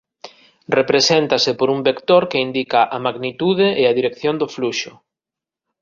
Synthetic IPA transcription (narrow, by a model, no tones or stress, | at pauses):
repɾesent̪ɐsɪpoɾuŋbekt̪oɾkeind̪ikaʔamaɣnit̪uðeʔːaðiɾekθjond̪ʊfluʃʊ